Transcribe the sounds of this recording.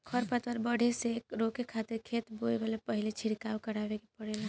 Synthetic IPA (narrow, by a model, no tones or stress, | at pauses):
kʰəɾpət̪əɾbəɽ̤ʱeseɾokekʰat̪iɾkʰet̪boebalepəɦilet͡ʃʰiɽkawkəɽabekepəɽela